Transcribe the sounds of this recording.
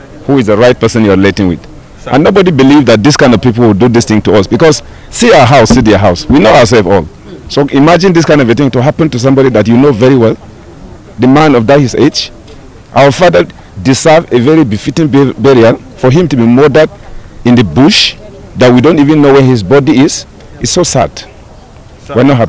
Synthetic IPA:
huɪzðəɹaɪt̚pʰɜ˞sɨ̃njɔɹileɪtɪ̃ŋwɪ̰ð | ʔə̃nːoʊbɔdibilivðat̚ðiskãɪ̃ndɔv̥pip̬l̩ˠwɪlduðɪsθɪ̃ŋtuʌsbikɔz | siaʊə˞ɦaʊsːiðiəɦaʊswinoʊaə˞sɛlˠfɔ̰lˠ | soʔimad͡ʒɪ̃nðɪskãɪ̃ndɔvɨθɪ̃ŋtuɦapə̃ntus̬ʌ̃mbɑɾiðatjunoʊvɛɹiwɛlˠ | ðɨmãnɔvdaɪhized͡ʒ | ʔaʊəfaðə˞ | dɪzɜvevɛɹibɪfɪtɪ̃ŋbbɛɹiə | fəɦɪ̃mtubimɔdədɨ̃nðɨbuʃðat̚widõntivɨ̃nːoʊwɛ˞hɪzbɔdiɪz̥ | ɨtsoʊsa̰d̥ | wɛnɔtha

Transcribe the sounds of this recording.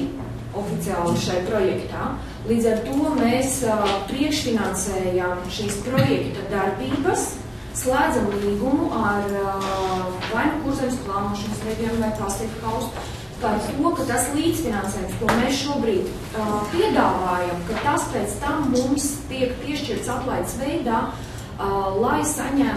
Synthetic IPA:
ofit̪siaːlˠiʃajpɾojɛkt̪aː | lˠiːd̪zɐɾt̪uɔmeːspɾiɛkʃfinansɛːjamʃiːspɾojɛkt̪ɐd̪aɾbiːbɐsː | lˠæːd̪zamlˠiːɡumuʔaɾ | vajnɐkuɾzɛjmsplˠɑːnuɔʃɔnsɛjd̪ʲiɛmvajpaːst̪iɛkt̪kawst̪ | paɾt̪uɔkat̪aslˠiːt̪sfinansɛːjmst̪umesʃuɔbɾiːt̪ | piɛd̪aːvaːjamkat̪aspɛːt̪st̪amːumst̪iɛkpiɛʃt͡ʃiɾt̪saplˠajt̪sʋɛjd̪aː | lˠajsaɲæ

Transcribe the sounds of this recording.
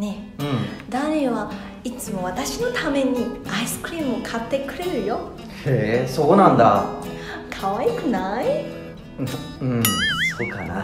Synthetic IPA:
ne̞ɯ̃d̪aɾeβa | it͡sɨmo̞β̞at̪aɕino̞t̪ame̞ɲ̟iaisɨ̥kɯ̟ɾʲiːmɯokʰat̪ːe̞kɯ̟ɾe̞ɾɯ̟jo̞ | hesokonãnd̪a̰ | kʰaβaikɯ̟nai | ɯ̃sokana

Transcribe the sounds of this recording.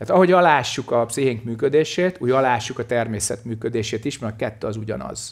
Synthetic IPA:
aːt̪ɒɦo̞ɟɒlaːʃːukɒpsiɦeŋkmyːkød̪eːʃeːt̪uːjɒlaːʃːukɒt̪ɛrmeːsɛ̰t̪myːkød̪eːʃeːt̪iʃmɛkɛt̪ːøːɒzuɟɒ̰nɒ̰z̥

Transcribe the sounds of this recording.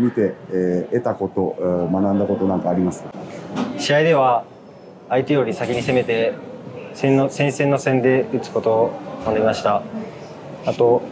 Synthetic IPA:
mʲit̪e̞et̪ako̞t̪o̞manãnd̪ako̞t̪o̞nãŋkaːɾʲimasɨ̥t̪aɕiaid̪e̞β̞a | ait̪ejo̞ɾʲisakʲiɲ̟ise̞me̞t̪e̞ | sẽnːosẽ̞ɰ̃sẽ̞nːo̞sẽ̞nd̪e̞ɯ̟t͡sɨ̥ko̞t̪o̞sond̪eimaɕi̥t̪a | at̪o̞

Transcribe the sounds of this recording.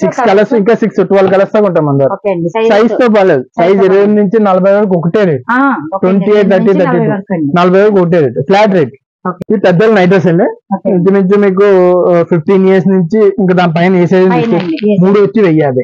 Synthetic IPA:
sikskɐlɐsiŋkaːsiksuʈːuʋaːlkɐlɐst̪oːkuɳʈɐːmɐnd̪aːɾsɐjst̪oːp̬aːleːd̪usɐjseɾiʋɐnnuɲt͡ʃinɐlɐbʱɐjʋeːlɐk̬ɔkːɐʈeːɾiʈʋeɳʈieːʈ̚t̪ʰɐʈːiːt̪ɐʈːit̪nɐlɐbʱɐjʋeːlkɔkɐʈ̬eːɾipʰlaːʈɾeːɖ̚ | ipɛd̪ːɐlnɐjʈ̬ɐs̬ɐniit̪imiɲt͡ʃimiːk̬upʰip̚ʈiːnijɐɾs̬nuɲt͡ʃiiŋkaːd̪aːnp̬ɐjɐneːseːd̪ɐnd̪isk̪imuːɽuʋɐt͡ʃːiʋɛjːaːd̪e

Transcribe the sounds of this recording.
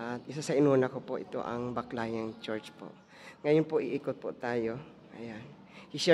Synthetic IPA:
ʔɐt̪̚ʔɪsasɐʔɪnuːnɐkopoʔɪ̰t̪o̰ʔɐ̰ŋbɐklajɐŋt͡ʃɛɹt͡ʃpo̰ʔ | ŋɐjonpoʔɪʔiːkʊt̪̚po̰t̪aːjo̞ | ʔɐjan | hɪʃɛ

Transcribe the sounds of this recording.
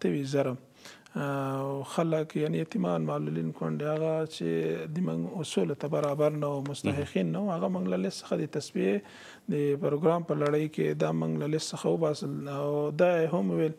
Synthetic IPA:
t̪əwizaɾam | wxaləkjanet̪ɪmɑnmalulinkwaɳɖeaɣat͡ʃḛd̪əmʊ̰ŋɡʊsult̪abaɾɑbaɾnawumʊst̪aɦɪqinːawuhaɣamʊŋɡlalɪst̪sə̥xad̪ət̪asbie | d̪əpɾoɡɾɑmpəlaɽəjkḛd̪ɑmṵŋɡlalɪst̪səxawəbɑsəlawd̪ɑeɦamuwel

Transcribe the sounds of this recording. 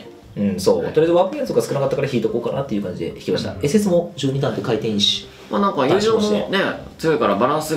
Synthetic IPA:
ɯ̟̃ɴso̞̰ːsoɾed̪eaːkɯkẽsokɡasɨ̥kɯ̟nakat̪ːakaɾaçiːt̪o̞ko̞ːkanat̪ːe̞iɯ̟kãɲ̟d͡ʑid̪e̞̰çi̥kʲimaɕi̥t̪a̰esɨes̬ɨmo̞d͡ʑɨːɲ̟id̪ãnt̪ekait̪ẽɰ̃ɕi̥ | ma̰nãŋkaiʑoːone̞t͡sɨɯkaɾabaɾãɰ̃sɨ

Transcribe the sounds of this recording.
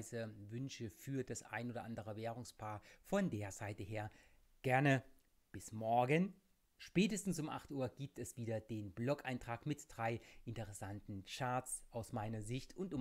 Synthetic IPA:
zəvʏnʃəfyːɐd̥asʔa̰ɪnʔoːdɐʔandəʁ̞əveːʁ̞ʊŋspʰaːɐfɔndeːɐzaɪtəheːɐ | ɡ̥ɛɐnə | b̥ɪsmɔɐɡən | ʃpɛːtəstn̩sʊmʔa̰χtʔuːɐɡ̥iːp̚tɛsv̥iːdɐd̥eːnblɔkaɪntʁ̥aːkmɪtd̥ʁaɪʔɪntəʁɛsantn̩t͡ʃaɐtsʔaʊsmaɪnɐzɪçtʊntʊm

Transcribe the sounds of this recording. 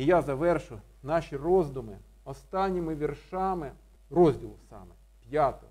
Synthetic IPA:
ijazɐʋɛrʃʊj | nɑʃʲirɔzd̪ʊmɪ | ɔst̪ɑnʲːimɪʋʲirʃɑmɪ | rɔzʲdʲilˠʊsɑ̰mɛ | pʲjat̪ɔ̰

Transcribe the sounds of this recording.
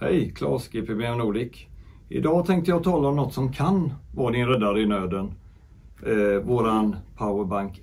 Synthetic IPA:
hɛ̰jkʰlɑ̰ːʂkɪpʰɾɪmɛːɾnuːlɪk | ʔɪ̰d̪ɑːt̪ʰɛŋk̚t̪əjɑːt̪ʰɑːlaɔmnɔt̪ːsɔmkʰanvɑːd̪ɪnɾɛd̪ːaɾəɪnøːd̪ən | voːɾanpʰaʊəɾbaŋk

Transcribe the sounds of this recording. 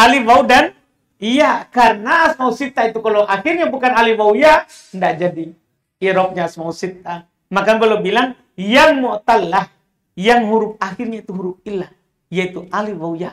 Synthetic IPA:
ʔaliwaudan | ijakarənaːsmausit̪ait̪ukalowʔahirɲabukanaliwauja | ndaʔd͡ʒadiː | ɾɔp̚ɲaːsmausit̪̚a | makanbalobilaŋ | jaŋmɔt̪alːah | jaŋɦuɾʊp̚ahirɲait̪uɦuɾʊp̚ilah | ijait̪uʔaliwauja

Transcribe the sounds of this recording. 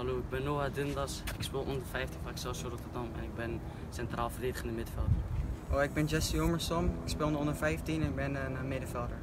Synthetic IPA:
hɑloːɪɡ̚bɛnːoːadɪndɑsɪkspɪːlˠɔndərfɛjftinfaɪksɛlsjoɾɔtərdɑmɛ̰nɪɡ̚bɪn | sɛntraːlˠfərdeːdəχɪndəmɪdəfɛlˠdərʔoɪɡ̚bɪnd͡ʒɛsioməɹsɔmɪkspɪːlˠnəɔndəɹfɛjftinɛnɪk̚bɪnəəmɪdəfɛlˠdəɹ

